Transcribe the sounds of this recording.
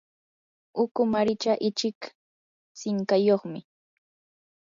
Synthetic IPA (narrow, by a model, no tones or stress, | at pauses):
ʊkʊmaɾɪt͡ʃaʔɪt͡ʃɪk | t͡sɪŋkajoχmɪ